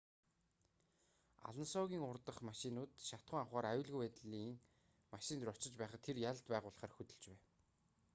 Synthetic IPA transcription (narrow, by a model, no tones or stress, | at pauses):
a̰ɮə̆nsɔɣʲiːŋʊrt̪ə̆χmaʃinʊːt̪ʃat̪χə̆ŋawχaːɾajʊːɮɣujæt̪ɮiːŋ | maʃɪnt̪rɔt͡ɕɪ̆t͡ɕpæːχăt̪ʰːerjaɮt̪pæːʁʊːɮə̆χaːrxɵt̪ɵ̆ɮt͡ɕpæːn